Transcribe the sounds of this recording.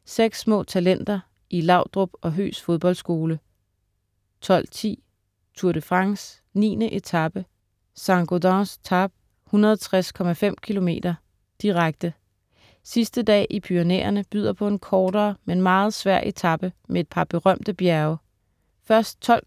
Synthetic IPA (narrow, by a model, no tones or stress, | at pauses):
seɡ̥sːmɔ̰ːt͡sʰælen̰d̥ɐ | ʔilɑ̈ʊ̰d̥ʁɔb̥ɒ̽ɦø̰ːsfo̝ð̞ˠb̥ɒ̽ld̥sɡ̥o̝ːlə | t͡sʰɒ̽l̰t͡sʰḭː | t͡sʰuɐɾ̥əfʁɑ̈ŋs | nḭːnəʔe̝t͡sʰɑ̈b̥ə | sɑ̈ŋɡ̥odɑ̃st͡sʰɑb̥̚ | hunɐðˠt͡sʰʁaskʰɒ̽mæfem̰kʰilo̝me̝̰ːd̥ɐ | d̥iʁaɡ̥̚d̥ə | sisd̥əd̥ɛ̰ːʔipʰyonḛːɐnəb̥y̰ð̰ˠɐpʰɒ̽e̝nkʰɒːɾ̥ɐːmenmɑ̈ːð̞̩ˠsʋæɐ̰ʔe̝t͡sʰɑ̈b̥əmʔee̝d̥̚pʰɑ̈b̥e̝ʁɶm̰d̥əb̥jæɐʊ | fɶɐsd̥̚t͡sʰɒ̽l̰